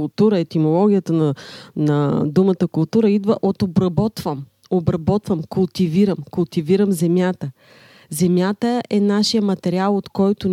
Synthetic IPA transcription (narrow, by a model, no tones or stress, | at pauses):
lˠt̪uɾəɛt̪imolˠɔɡ̟ʲijət̪ənənɐd̪umət̪əkʊlˠt̪uɾəid̪vəʔot̪obɾɐbɔt̪vəm | obɾɐbɔt̪vəmkʊlˠt̪iviɾəmkʊlˠt̪iviɾəmzɛmʲjat̪ə | zɛmʲjat̪əɛnaʃijəmɐt̪ɛɾialˠot̪kɔjt̪ʊn